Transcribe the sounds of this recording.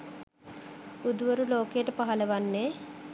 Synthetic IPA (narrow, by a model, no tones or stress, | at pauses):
bud̪ʋɐɾuloːkeːʈpɐɦɐlɐʋɐnːeː